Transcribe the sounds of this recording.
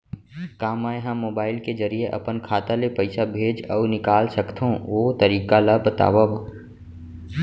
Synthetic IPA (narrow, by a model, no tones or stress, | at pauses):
kaːmaːeɦãmːoːbaːɪlkezɐɾijeʔɐ̰pənkʰaːt̪alepɐɪsabʱeːd͡ʒɔːnɪkaːlsɐkt̪ʰõʋoːt̪ɐɾiːkalabət̪a̰ːʋaʋa